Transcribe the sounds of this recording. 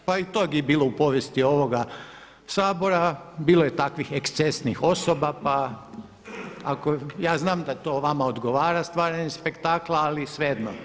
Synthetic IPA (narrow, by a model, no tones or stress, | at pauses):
pait̪oɡibiːlˠo̞upo̞ʋjest̪io̞ʋo̞ɡa | saːbo̞ɾabiːlˠoje̞t̪akʋixekst̪sesnixo̞sobapa | akojaːznaːmd̪at̪o̞ːʋamaod̪ɡo̞ʋaːɾast̪ʋaːɾaɲespe̞kt̪aːklaalisʋejed̪no̰